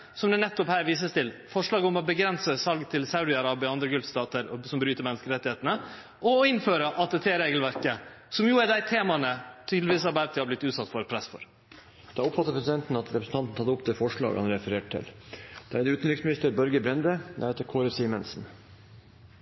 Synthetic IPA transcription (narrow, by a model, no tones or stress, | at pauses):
sɔmd̪ɛnɛt̪ːɔphæːɾʋiːs̬əst̪ʰɪlfɔʂɭɑːɡəɔmɔbəɡɾɛnsəsɑlɡt̪ʰɪlsɑʉd̪ɪɑɾɑːbɪɑnd̪ɾəɡʉlfst̪ɑːt̪əɾɔsɔmbɾyːt̪əɾmɛnəskəɾɛt̪ːɪheːt̪ənə | ɔɪnføːɾəʔɑt̪̚d̪ɛt̪ʰeːɾeːɡəlʋæɾkə | sɔmjuːæd̪æɪt̪ʰeːmɑnət̪ʰyːd̪lɪʋiːsɑbæɾt̪ɪhɑblɪt̪ʉːt̪sɑt̪ːfɔɾpʰɾɛsfɔ̰ɾ | d̪̥ɑʊpfɑt̪ːəpʰɾɛsɪd̪ɛnt̪n̩ɑt̪ɾɛpɾsn̩t̪ɑnt̪n̩t̪ɑd̪əʊpd̪efɔʂɭɑ̰ːɡhɑ̰nɾɛfəɾeːʈ̚ʈʰɪ̰ld̪̥æɾed̪ʉːt̪n̩lɪksmɪnɪst̪əɾbœɾɡəbɾɛnd̪əd̪̰heːt̪əɾkʰoːɾəsiːmənsn̩